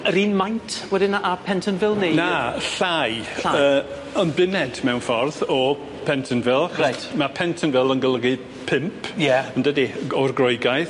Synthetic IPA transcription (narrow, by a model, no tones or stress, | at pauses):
əɾiːnmajntʰwɛdɪnaʔapʰɛntʰənvɪlˠninaɬajaəː | ənbɪnɛdmɛwnfɔrðɔ | pʰɛntʰənvɪlˠaχɔasjtmapʰɛntʰənvɪlˠənɡəlˠəɡɨ | pʰɪmpʰjɛəndədiɔrɡroɨɡajθ